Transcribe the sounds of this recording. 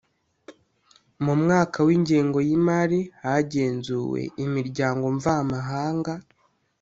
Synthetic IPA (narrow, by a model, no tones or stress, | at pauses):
mumŋaːkʰawiɲɟiːŋɡo̞jimaɾihaɟe̞ːnzuːwe̞̰ʔimiɾɟaːŋɡo̞ɱvamaɦaːŋɡa